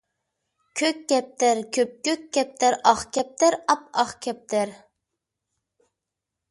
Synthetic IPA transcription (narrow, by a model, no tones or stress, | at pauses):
kʲʰøkʲːɛp̚t̪ɪɾkʲʰøp̚kʲːøkʲːɛp̚t̪ɪɾɑχkʲʰɛp̚t̪ɪɾɑp̚ɑχkʲʰɛp̚t̪ʰɪɾ